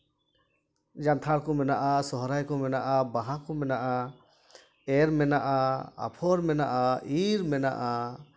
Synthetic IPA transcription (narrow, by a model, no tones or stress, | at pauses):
d͡ʒant̪ʰaɽkɔmɛnaʔasɔɦɾajkɔmɛnaʔabaɦakɔmɛnaʔa | ɛɾmɛnaʔaa̰pʰɔɾmɛnaʔaiɾmɛna̰ʔa